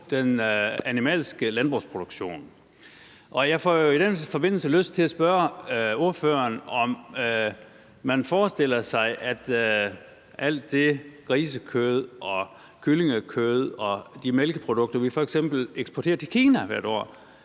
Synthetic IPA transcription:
d̥enænimɛ̰ːlsɡ̥əlænb̥ʁuspʰʁo̝d̥uɡ̥ɕo̝̰ːn | ʔɒ̽jɑ̈ɪfɒjo̝id̥enfɒ̽b̥e̝n̰l̩səløsd̥̚t͡sʰe̝læsb̥ɶɐo̝ɐfø̰ɐnɒ̽m | mænfɒːsd̥e̝l̰ɐsɑ̈ɪʔæd̥ | ʔæl̰d̥ːe̝ɡ̥ʁiːsəkʰøð̞̩ˠʔɒ̽ | kʰyle̝ŋəkʰøð̞ˠɒ̽d̥imelɡ̥əpʰʁo̝d̥ɔɡ̥̚d̥ɐʋifɒeɡ̥sem̰b̥l̩eɡ̥sb̥ɒt͡sʰe̝ːɐt͡sʰe̝kʰiːnæʋæɐ̰ɾ̥ɒ̰ː

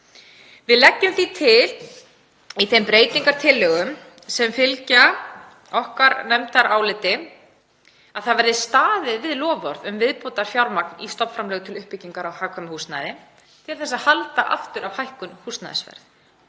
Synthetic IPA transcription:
vɪðlɛcːʏmθit̪ʰɪl | iθempɾeːjt̪iŋkaɾ̥t̪ʰɪlːœɣʏm | sɛmfɪlca | ɔhkaɾnɛmt̪aɾaːwlɪːt̪ɪ | a̰ðθaðvɛɾðɪst̪aːðɪðvɪðlɔːvɔɾðʏmvɪðpoːt̪aɾ̥fjawɾmaknist̪ɔp̪fɾamlɛːɣʏt̪ʰɪlʏhpːɪciŋkaɾawhaːkʰœmʏhust̪na̰ðɪ | t̪ʰɪlθɛsːaðhalt̪aʔa̰ft̪ʏɾʔawhajhkʏnhust̪na̰ð̰svɛ̰ɾ̥θ

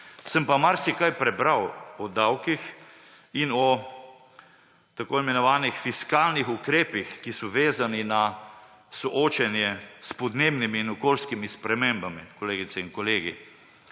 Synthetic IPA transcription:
səmpamaɾsikajpɾɛbɾawɔd̪awkix | inɔ | t̪akoimɛnɔʋaːnixfiskaːlnixukɾeːpixkisɔʋeːzanina | sɔʔoːt͡ʃɛnjɛspɔd̪neːbnimiːnɔkoːlskimispɾɛmeːmbamikɔleːɡit̪sɛinkɔleːɡḭ

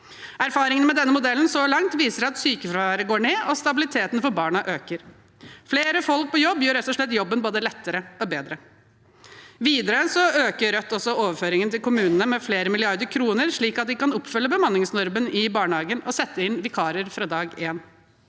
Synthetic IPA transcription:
ʔæɾfɑːɾɪŋənmɛd̪ɛnːəmʊd̪ɛlːn̩sɔlɑŋt̪ʋiːsəɾɑt̪syːkəfɾɑʋæːɾəɡoːɳeːʔɔst̪ɑbɪlɪt̪ʰeːt̪n̩fɔɾbɑːɳɑʔøːkəɾ | fleːɾəfɔlk̚pʰɔjɔbːjøːɾɛt̪ːɔʂɭɛt̪ːjɔbːənboːd̪əlɛt̪ːəɾəɔbeːd̪ɾə | ʋiːd̪əɾəsɔøːkəɾœt̪ːɔsɔoːʋəɾføːɾɪŋənt̪ʰɪlkʊmʉːnənəmɛfleːɾəmɪlɪɑɾd̪əɾkʰɾuːnəɾʂɭiːkɑt̪̚d̪ɪkɑnɔpfʏlːəbəmɑnːɪŋsnʊɾmənɪbɑːɳhɑːɡənɔsɛt̪ːəɪnʋɪkʰɑːɾəɾfɾɑːd̪ɑːɡeːn

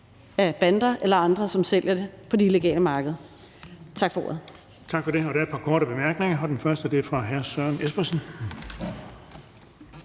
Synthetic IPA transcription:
æb̥ænd̥ɐʔelɐɑ̈nd̥ʁɐsɒ̽msel̰jɐde̝pʰɒ̽d̥eileɡ̥ɛ̰ːləmɑ̈ːɡ̥əðˠɐ | t͡sʰɑ̈ɡ̥fɒ̽o̰ːɐð̩ˠ | t͡sʰɑ̈ɡ̥fɒ̽ɾe̝ɒɾ̥æɐed̚pʰɑ̈kʰɒːɾəb̥e̝mæɐɡ̥ne̝ŋɐɒ̽d̥enfɶɐsd̥əd̥eɐfʁɑ̈ɦæɐsɶɐ̰nesb̥ɐsən̩

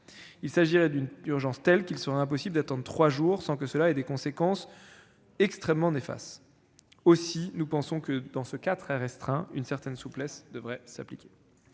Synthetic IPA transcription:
ilsaʒiʁɛd̪ynyʁʒɑ̃st̪ɛlkʲilsəʁɛɛ̃p̬ɔsibld̪at̪ɑ̃d̪ʁət̪χwaʒuːʁsɑ̃kəsəlaɛd̪ekɔ̃sekɑ̃s | ɛkst̪χɛmːɑ̃nefa̰st̪ | osinupɑ̃sɔ̃kəd̪ɑ̃səkat̪χɛʁɛst̪χɛ̃ynsɛʁt̪ɛnsuplɛsd̪əvʁɛsaplikʲe̥

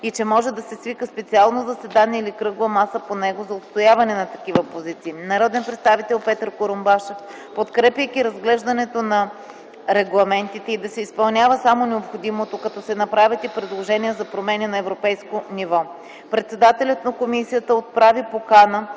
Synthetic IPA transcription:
it͡ʃɛmɔʒɛd̪ɐsɛsvikəspɛt̪sialˠnozɐsɛd̪aniɛilikɾɤɡvəmasəponɛɡozɐot̪st̪ojavɐnɛnɐt̪ɐkivəpozit̪siːnɐɾɔd̪ɛnpɾɛt̪st̪avit̪ɛlˠpɛt̪əɾkoɾombaʃɛf | pot̪kɾɛpʲjəkiɾɐzɡlɛʒd̪ɐnɛt̪onɐ | ɾɛɡlˠɐmɛnt̪it̪ɛid̪ɐsɛispɐlˠnʲavəsamonɛopxod̪imot̪okɐt̪ɔsɛnɐpɾavʲɐt̪ipɾɛd̪lˠoʒɛniɛzɐpɾomɛnʲɛnɐɛvɾopɛjskonivɔ | pɾɛt̪sɛd̪at̪ɛlʲət̪nɐkomisijət̪əot̪̚pɾavipokanə

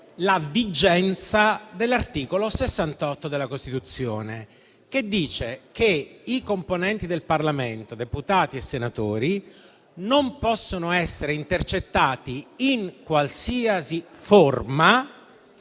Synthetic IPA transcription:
lavid͡ʒɛnt̪sad̪elːart̪iːkolosesːant̪ɔt̪ːod̪elːakost̪it̪ut̪sːjoːne | ked̪ːiːt͡ʃekeikomponɛnt̪id̪elparlament̪od̪eput̪aːt̪iesːenat̪oːɾi | nompɔsːonoɛsːeɾeint̪ert͡ʃet̪ːaːt̪iiŋkwalsiːasiforma

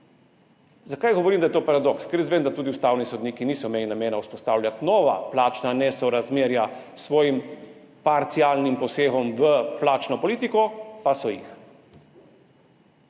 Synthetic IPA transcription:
zakajɡɔʋɔɾiːmd̪ajɛt̪oːpaɾad̪ɔkskɛɾezʋeːmd̪at̪uːd̪iust̪aːwnisɔd̪niːkiniːsɔmeːlinameːnauspɔst̪aːwlʲjat̪nɔːʋa̰plaːt͡ʃnanɛsɔɾazmeːɾja | sʋɔːjim | paɾt̪siaːlnimpɔseːxɔmʋəplaːt͡ʃnɔpɔliːt̪ikɔpasɔjḭx

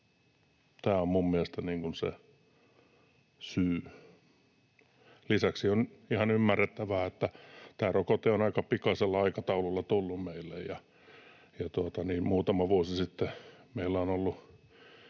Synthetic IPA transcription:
t̪æːommummielest̪æniːŋkunsḛ | syː | lisæksionihɑnymːærːet̪ːæʋæːet̪ːæt̪æːrokot̪eonɑikɑpikɑselːɑɑikɑt̪ɑululːɑt̪ulːummeilːejjɑ | jɑt̪uot̪ɑniːmuːt̪ɑmɑʋuosisit̪ːemeilːæonolːu

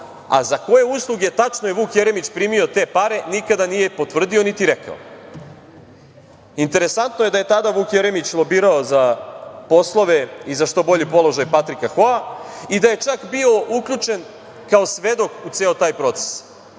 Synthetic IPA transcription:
a̰zako̞je̞uːslˠuɡet̪at͡ʂnoje̞ʋuːkjeɾemit͡ɕpɾiːmio̞t̪e̞ːpaɾe̞nikad̪anije̞po̞t̪ʋr̩d̪io̞nit̪iɾeka̰o̰ | int̪e̞ɾesant̪noje̞d̪aje̞t̪ad̪aʋuːkje̞ɾe̞mit͡ɕlˠo̞biːɾaozapo̞slˠo̞ʋeizaʃt̪o̞bo̞ʎipo̞lo̞ʒajpat̪ɾikaxoaid̪aje̞t͡ʂakbio̞ʔuklʎut͡ʂe̞n | kao̞sʋe̞d̪o̞kut̪seːot̪aːjpɾo̞t̪se̥s

